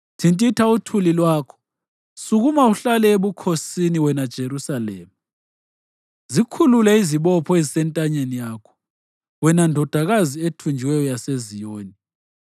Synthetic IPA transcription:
tʰintʼitʰautʰulilwaːkʰɔ̥ | suɣumauɬalɛeβukʰosiniwɛnad̥ʒ̥ʱeɾusalḛːmu | zikʰululɛiziβɔpʰɔezisɛntʼaɲenijakʰɔ̥ | wɛnandʱɔd̥ʱaɣazietʰund͡ʒʱiwɛjɔjasezijoːni

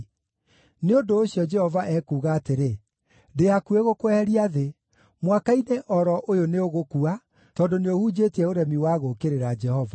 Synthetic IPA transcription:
neondoːɕiɔd͡ʒɛhɔvaʔɛkuːɣaːteɾe | dehakueɣokwɛɛɾiaðe | mwakaineʔɔɾɔʔojoneoɣokua | tɔːdoneohuːd͡ʑetiɛoɾɛmiwaːɣokeɾeɾad͡ʒɛhɔva

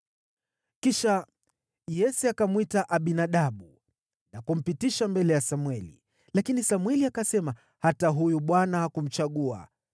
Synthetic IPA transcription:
kiʃa | jɛsɛakamwitaʔaɓinaɗaɓu | nakum̩pitiʃambɛlɛjasamwɛlḭ | lakinisamwɛliakasɛma | hataɦujuɓwanahakum̩t͡ʃaɠua̰

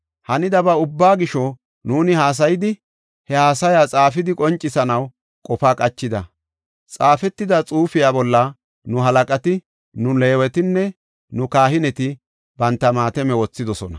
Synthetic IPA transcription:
hɐnɪd̪ɐbɐʊbːaːɡɪʃɔ | nuːnɪhaːs̬ɐjɪd̪ɪ | hɛhaːsɐjat͡sʼaːfɪd̪ɪkʼɔnt͡ʃʼːɪsɐnɐw | kʼɔfaːkʼɐt͡ʃːɪd̪ɐ | t͡sʼaːfɛt̪ːɪd̪ɐt͡sʼuːfɪjaːbɔlːɐ | nʊɦɐlɐkʼɐt̪ɪ | nʊleːwɛt̪ɪnːɛ | nʊkaːɦɪnɛt̪ɪ | bɐnt̪ːɐmaːt̪ɛmɛwɔt͡sːɪd̪ɔsɔnɐ̰

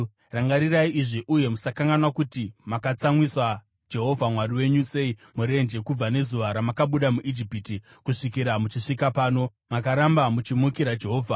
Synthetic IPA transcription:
raŋɡaɾiraiʔiʐiʔuje̞musakaŋɡanwakutimakat͡samwiswa | d͡ʒe̞ɦo̞vʱamwariwe̞ɲuse̞imuɾe̞nd͡ʒe̞kub͡vane̞zuʋaɾamakaɓuɗamuʔid͡ʒipiti | kuʂikiɾamut͡ʃiʂikapaːno̞ | makaɾambamut͡ʃimukiɾad͡ʒe̞ɦo̞ːvʱa

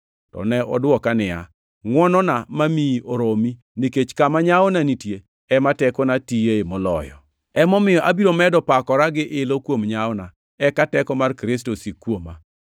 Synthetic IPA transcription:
tɔ̰nɛɔ̰dwɔkanɪa̰ | ŋwɔnɔnamamioɾomi | niket͡ʃkamaɲawɔnanitje | ɛmatɛkɔnatijeemɔlɔ̰jɔ̰ | ɛmɔmɪjɔʔabiɾomɛdɔpakɔɾaɡɪʔɪlokwomɲaɔna | ɛkatɛkɔmarkɾɪs̬tosikwoma̰

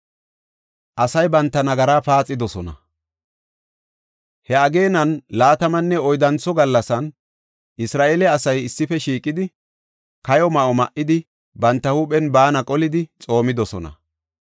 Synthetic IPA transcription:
ʔɐsɐjbɐnt̪ːɐnɐɡɐɾaːpaːt͡sʼːɪd̪ɔsɔnɐ̰ | hɛɐɡe̞ːnɐnlaːt̪ɐmɐnːɛɔjd̪ɐnt͡sːɔɡɐlːɐsɐn | ʔɪsɾaːʔelɛɐsɐjɪsːɪfɛʃiːkʼɪd̪ɪ | kɐjɔmɐʔɔmɐʔɪd̪ɪ | bɐnt̪ːɐhuːpʼɛnbaːnɐkʼɔlɪd̪ɪt͡sʼo̞ːmɪd̪ɔsɔnɐ̰

